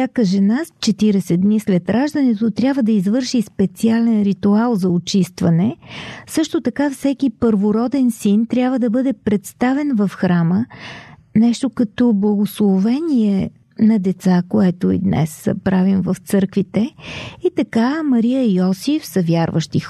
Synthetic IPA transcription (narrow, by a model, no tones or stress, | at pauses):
sʲakəʒɛnast͡ʃɛt̪iɾɛsɛd̪nislɛt̪ɾʔaʒd̪ənɛt̪ot̪ɾʲabvəd̪ɐizvɤɾʃispɛt̪sialɛnɾit̪ualˠzɐot͡ʃist̪vɐnɛsɤʃt̪ot̪ɐkafsɛkipəɾvoɾɔd̪ɛnsint̪ɾʲjabvəd̪ɐbɤd̪ɛpɾɛt̪st̪avɛnvɐfxɾamə | nɛʃt̪okɐt̪ɔblˠɐɡoslˠovɛniɛ | nɐd̪ɛt̪sakoɛt̪oḭd̪nɛ̰spɾavimvəft̪sɤɾkvit̪ɛit̪ɐkamɐɾiəiɔsifsəvʲjaɾvə̰ʃt̪ix